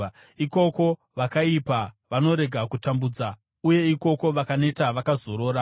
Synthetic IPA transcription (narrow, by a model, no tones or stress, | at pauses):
iko̞ko̞ | ʋakaipa | ʋano̞ɾe̞ɡʱakutambuːd͡za | uje̞iko̞ko̞ʋakane̞taʋakazo̞ɾo̞ːɾa